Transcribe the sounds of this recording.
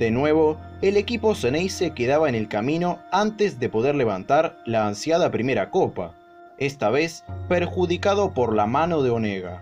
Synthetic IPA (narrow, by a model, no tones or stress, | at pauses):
d̪̥enwe̞β̞o | ele̞kipo̞senejsekeðaβaene̞lkamĩno̞ant̪ezðe̞po̞ð̞eɾle̞β̞ant̪aɾlaːnsjað̞apɾime̞ɾakopa̰ | est̪aβespeɾxuðikað̞o̞poɾlamano̞ð̞eoneɣa̰